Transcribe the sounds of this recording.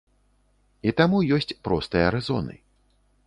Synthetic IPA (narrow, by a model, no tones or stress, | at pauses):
it̪amujɔsʲt͡sʲpɾɔst̪ɨjɐɾɨzɔ̰nɨ̰